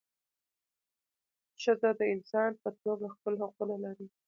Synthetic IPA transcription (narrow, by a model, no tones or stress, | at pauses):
ʃazad̪əɪnsɑnpət̪oɡaxpəlɦaqunalaɾi